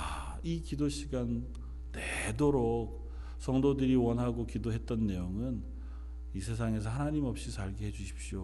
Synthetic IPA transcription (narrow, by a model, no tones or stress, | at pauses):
a | ikidoɕʰiɡanː | edoɾok̚ | sʰʌŋdodɯɾiwʌnɦaɡokidoɦet̚t͈ʌnːe̞joŋɯn | isʰe̞s̬ʰaŋe̞s̬ʰʌɦanaɲimʌp̚ɕ͈isaɭɡiɦe̞d͡ʑuɕʰi̥p̚ɕio